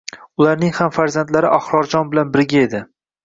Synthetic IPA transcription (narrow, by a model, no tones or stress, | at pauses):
ʊlaɾnɪŋhamfaɾzant̪laɾɪʔɒχɾɒɾd͡ʒɒnbɪlanbɪɾɡʲae̞d̪ɪ